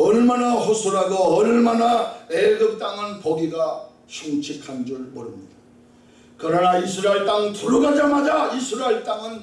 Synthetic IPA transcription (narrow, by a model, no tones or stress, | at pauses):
ʌɭmanahosʰuɾaɡoʌɭmanaeɡɯp̚t͈aŋɯnpoɡiɡa | ɕʰoŋt͡ɕʰikʰand͡ʑuɭmʌɾɯmɲid̥a | kɯɾʌnaisʰɯɾaeɭt͈aŋtuɾuɡad͡ʑamad͡ʑaisʰɯɾaeɭt͈aŋɯn